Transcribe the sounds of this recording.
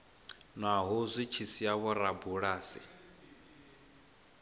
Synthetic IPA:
nwaɦuzʷit͡ʃʰisiaβɔɾabuɺaːsḭ

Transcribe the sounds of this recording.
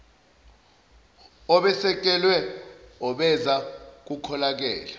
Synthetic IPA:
ɔɓɛsɛk̬ɛlwɛɔɓɛzak̬ukʰɔlak̬ɛːla

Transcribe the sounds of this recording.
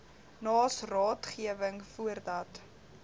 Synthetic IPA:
nɑːsrɑːtχiəvəŋfuərdɐt

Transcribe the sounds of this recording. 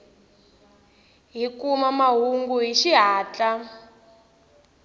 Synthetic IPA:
ɦikumamaɦuŋɡuɦiʃiɦaːt͡ɬa

